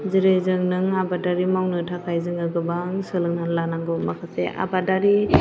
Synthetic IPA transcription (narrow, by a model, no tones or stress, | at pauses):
zɯɾejzɯŋnɯŋabadaɾimawnɯtʰakʰajzɯŋɯɡɯbaŋsɯlɯŋnalanaŋɡomakʰasḛa̰badaɾi